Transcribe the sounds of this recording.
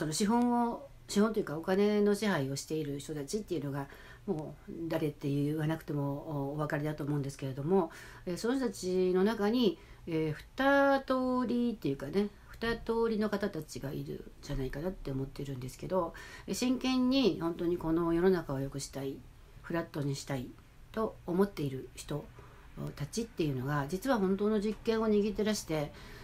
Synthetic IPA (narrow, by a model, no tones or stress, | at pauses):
so̞no̞ɕiɦõo | ɕiɦõ̞nt̪ojɯ̟kao̞kane̞no̞ɕiɦaio̞ɕi̥t̪e̞iɾɯ̟çt̪o̞t̪at͡ɕit̪ːe̞iɯ̟no̞ɡa | mo̞ːd̪aɾe̞t̪ːe̞jɯβanakɯ̟̥t̪e̞mo̞ːβ̞akaɾʲid̪at̪oːmo̞ɯ̟̃nd̪e̞sɨ̥ke̞ɾe̞d̪o̞mo̞ | e̞ːso̞noçt̪̬ot̪at͡ɕino̞nakaɲ̟i | eːɸɯ̟̥t̪at̪o̞ːɾʲit̪ːe̞jɯ̟kane̞ | ɸɯ̟̥t̪at̪o̞ːɾʲino̞kat̪at̪at͡ɕiɡaḭɾɯ̟̰d͡ʑanaikanat̪ːe̞omo̞t̪ːe̞iɾɯ̟̃nd̪e̞sɨ̥ke̞d̪o̞eɕĩŋkẽ̞ɲ̟ːihõ̞nt̪o̞ɲ̟iko̞no̞jo̞no̞nakao̞jo̞kɯ̟ɕi̥t̪ai | ɸɯ̟ɾat̪ːo̞ɲ̟iɕi̥t̪ai | t̪o̞ːmo̞t̪ːe̞iɾɯ̟çi̥t̪o̞ | t̪at͡ɕit̪ːe̞jɯ̟no̞ɡad͡ʑit͡sɨβahõ̞nt̪o̞ːno̞ʑikːẽ̞ɰ̃o̞ɲ̟iɡʲit̪̬e̞ɾaɕi̥t̪e̞